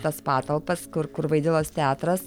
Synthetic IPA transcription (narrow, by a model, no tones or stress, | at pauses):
t̪ɐspɑːt̪ɐlˠpɐskʊɾkʊɾʋɐɪd̪ʲɪlˠoːst̪ʲɛæːt̪ɾɐs